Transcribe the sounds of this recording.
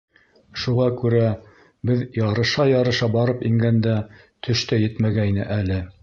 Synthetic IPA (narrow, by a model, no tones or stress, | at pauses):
ʃuʁɑkʉɾæ | bɘðjɑɾɤ̆ʃɑjɑɾɤ̆ʃɑbɑɾɤpiŋɡænd̪æ | t̪ʰɵ̆ʃt̪æjɘt̪mæɡæjnɘ̰ʔælɘ